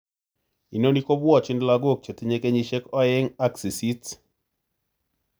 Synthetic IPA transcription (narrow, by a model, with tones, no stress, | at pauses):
i˨no˦ni˦ko˦bwɔ˦t͡ʃɪ˦ndla˦ɡo˦k̚t͡ʃe˨ti˦ɲe˦ke˦ɲi˦ʃe˦kɔ˦ɪ˦ŋa˦ksi˨si˦t